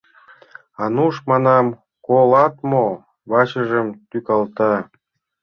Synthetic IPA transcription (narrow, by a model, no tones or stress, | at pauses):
ɑnuʃmɑnɑm | kolɑt̪mo | βɑɕəʒəmt̪ykɑlt̪ɑ